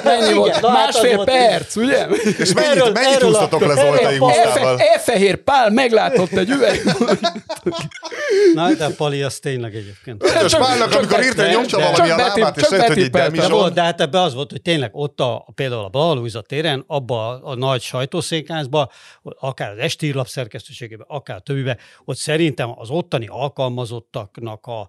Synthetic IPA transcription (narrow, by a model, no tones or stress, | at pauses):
mɛɲːivolt̪nmaːʃfeːlopɛrt̪suɟɛeʃmɛømɛɛiust̪ɔt̪olɛifɛɛfɛɦeːrpaːlmɛɡlaːt̪o̞t̪ːɛɟyvɛo | nɔd̪ɛpɒliɒst̪eːɲlɛɡɛɟeːp̚keːnt̪t͡ʃpalnɔkɒmikoɾirtd̪ɛoɔit̪it͡ʃɒbɛt̪ipɛlt̪ɛolt̪d̪ɛɦaːt̪ɛbːɛɒzʋo̞lt̪hoc̚t̪eːɲlɛɡo̞t̪ːɒpeːld̪aːulɒbɒlɒɦɒloːizɒt̪ːeːɾɛnɒbːɒnɒɟʃɒjt̪oːseːŋkaːzbɒɒkaːɾɒzɛʃt̪iːrlɒpsɛrkɛst̪øːʃeːɡeːbɛʔɒkaːɾɒt̪øbːibɛocsɛɾint̪ɛmɒ̰zo̞t̪ːɒnḭʔɒlkɒlmɒzo̞t̪ːɒknɒkɒ